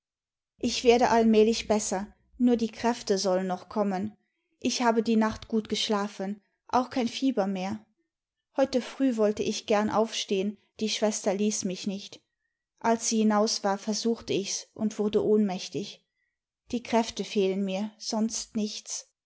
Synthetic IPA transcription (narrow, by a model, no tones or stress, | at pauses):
ʔɪçv̥eːɐdəʔalmɛːlɪçb̥ɛsɐ | nuːɐdiːkʁ̥ɛftəzɔlənːɔχkʰɔmən | ʔɪçhaːbədiːnaχtɡ̥uːtɡ̥əʃlaːfən | ʔa̰ʊxkʰaɪnfiːbɐmeːɐ | hɔʏtəfʁ̥yːvɔltəʔɪçɡ̥ɛɐnʔa̰ʊfʃteːən | d̥iːʃv̥ɛstɐliːsmɪçnɪçt | ʔalsz̥iːhinaʊsv̥aːɐfɛɐzuːxtəɪçsʔʊ̰ntv̥ʊɐdəʔoːnmɛçtɪç | d̥iːkʁ̥ɛftəfeːlənmiːɐz̥ɔnstnɪçt͡s